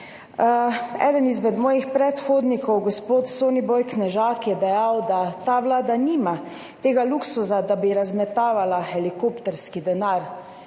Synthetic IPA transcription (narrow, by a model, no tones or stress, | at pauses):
ɛ̰ːd̪ɛnizmɛd̪mɔːjixpɾɛt̪xoːd̪nikɔwɡɔspoːt̪soːnibɔjknɛʒaːkjɛd̪ɛjawd̪at̪aːʋlaːd̪aniːma | t̪eːɡaluksuzad̪abiɾazmɛt̪aːʋalaxɛlikoːpt̪ɛɾskid̪ɛnaɾ